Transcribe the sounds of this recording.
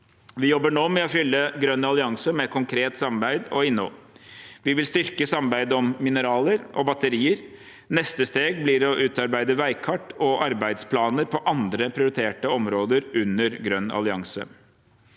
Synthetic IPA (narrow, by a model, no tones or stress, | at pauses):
ʋɪjɔbːəɳoːmɛɔfʏlːəɡɾœnːɑlɪɑŋsəmɛkʰʊŋkʰɾeːt̪sɑmbæɪd̪ɔɪnːɔ̰ | ʋɪʋɪlst̪ʏɾkəsɑmbæɪd̪ɔmːɪnəɾɑːləɾʔɔbɑt̪əɾiːəɾ | nɛst̪əst̪eːɡ̚blɪɾɔʔʉːt̪ɑɾbæɪd̪əʋæɪkʰɑʈːɔʔɑɾbæɪd̪spʰlɑːnəɾpʰɔʔɑnd̪ɾəpʰɾɪʊɾɪt̪ʰeːʈəɔmɾoːd̪əɾʉnːəɾɡɾœnːɑ̰lɪɑ̰ŋsə̰